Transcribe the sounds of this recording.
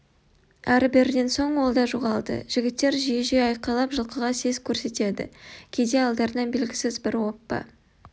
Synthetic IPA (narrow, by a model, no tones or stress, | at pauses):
æɾbɪɾɪd̪e̞nso̞ɴwo̞lˠd̪ɑʒuʁɑlˠd̪ə̰ʒ̥ɪɡʲɪt̪ːe̞ɾʒijeʒejɑjqɑlˠɑpʒəlˠqəʁɑse̞zkʲʰɵɾse̞t̪e̞d̪ɪ̰kʲʰe̞d̪e̞ɑlˠd̪ɑɾənɑnbe̞lɡʲɪsɪzbɪɾwo̞pːə̰